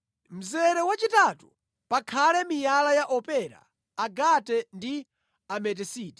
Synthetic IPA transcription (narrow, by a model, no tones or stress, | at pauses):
m̩zɛɾɛwat͡ʃitatu | pakʰalɛmijalajaʔɔpɛɾa̰ː | ɡatɛndi | amɛt̬ɛsiːtɛ̥